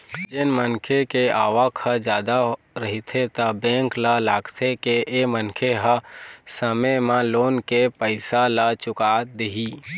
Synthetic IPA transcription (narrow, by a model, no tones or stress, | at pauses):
d͡ʒɪnmənkʰekeaːʋəkʰəd͡ʒjaːd̪a | ɾəɦit̪ʰet̪əbɛ̃ːŋklalaːɡt̪ʰekeʔemənkʰeɦəsəməmãloːnkepəɪsalat͡ʃʊkaːd̪eɦiː